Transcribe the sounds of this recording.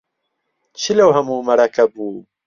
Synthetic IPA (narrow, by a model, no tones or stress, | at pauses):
t͡ɕʰilɐwɦɐmuːmɐɾɐkɐbuː